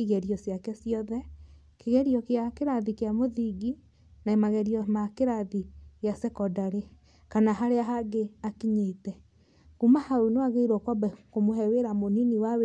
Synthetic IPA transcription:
iɣɛɾiɔsjakɛsiɔðɛ | keɣɛɾiɔkeakeɾaðikeamoðiɡi | naemaɣɛɾiɔmakeɾaðiɣjasɛkɔdaɾe | kanaɦaɾeaɦaɡeakiɲetɛ | ɣumahaonoaɣeiɾokɔbɛkomohɛweɾamoniniwawe

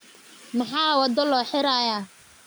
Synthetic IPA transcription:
mɑħɑːwɔd̪ɔlɔːħɪɾajaː

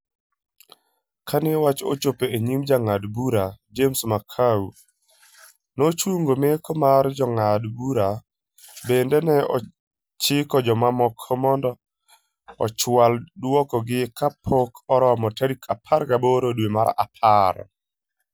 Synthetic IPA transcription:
kʰanɪwat͡ʃot͡ʃopeeɲimd͡ʒaŋadbuɾad͡ʒemsmakʰau | not͡ʃwoŋɡomekɔmard͡ʒɔŋadbuɾa | bendɛnɛɔ̰ | t͡ʃɪkɔd͡ʒɔmamɔkʰːɔmɔndɔ | ɔ̰t͡ʃwaldwɔkɔɡɪkʰapʰokʰɔɾɔmɔtaɾikʰapʰaɾɡaboɾodwema̰ɾa̰pʰaɾ

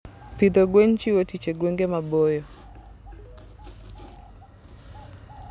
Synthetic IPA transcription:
piðɔɡwɛn̩t͡ʃiwɔtit͡ʃɛɡwɛŋɡɛmaɓɔjɔ

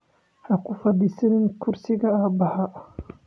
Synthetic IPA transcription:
hakʊfɐd̪isɛnɪnkʰʊɾsiɡɐaːbɐha

